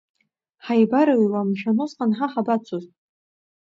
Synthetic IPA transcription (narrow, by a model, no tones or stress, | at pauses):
ħajbaɾɨjwamʃᶣanosqʼanħaħabat͡sʷʰoztʼ